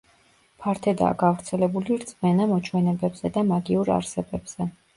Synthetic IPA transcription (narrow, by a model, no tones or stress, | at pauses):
pʰaɾt̪ʰɛd̪a̰ːɡavɾt̪sʰɛlɛbuliɾt̪sʼmɛnamɔt͡ʃʰwɛnɛbɛbz̥ɛd̪amaɡiuɾa̰ɾsɛbɛbz̥ɛ